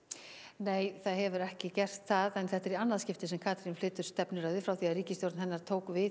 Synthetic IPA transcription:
neːjθaðɦɛvʏɾɛhcɪcɛr̥t̪θaðɛnθɛt̪ːɛɾianːaðscɪft̪ɪsɛmkʰaːt̪ɾinflɪːt̪ʏɾ̥st̪ɛpnʏɾaðʏfɾawθiaðɾiːcɪst̪jowɾt̪nhɛnːaɾ̥t̪ʰoːwkvɪ

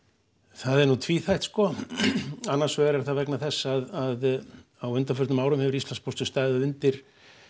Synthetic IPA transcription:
θaðɛɾnut̪ʰviθajht̪skɔ | anːḁsvɛːɣaɾɛɾ̥θaðvɛknaθɛsːaðaðawʏnt̪afœɾt̪nʏmaːwɾʏmhɛvɪɾislanspɔst̪ʏst̪ajðʏʏnt̪ɪɾ̥

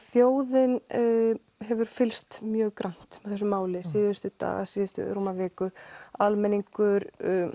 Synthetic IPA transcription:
θjoːwðɪn | ɦɛvʏɾ̥fɪlst̪mjœːɣkɾan̥t̪mɛðθɛsːʏmaːwlɪsɪːðʏst̪ʏt̪a̰ːɣa̰sɪːðʏst̪ʏ̰ɾoːmavɛːkʏalmɛniŋkʏɾ

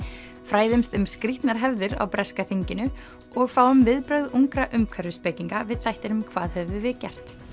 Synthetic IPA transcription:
fɾaːjðʏmst̪ʏmskɾiht̪naɾ̥ɦɛvðɪɾa̰wpɾɛskaθiɲcɪnʏ | ɔɣfaːwʏmvɪðpɾœɥðuŋkɾaʔʏmkʰvɛɾʏspɛciŋkavɪðθajht̪ɪnʏmkʰv̥a̰ːðhɛvʏvɪðcɛ̰r̥t̪

